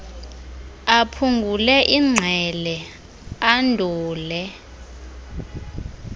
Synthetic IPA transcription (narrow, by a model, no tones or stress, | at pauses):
apʰuŋɡʱulɛʔiŋ͡ǀʱɛlɛ | andʱuːlɛ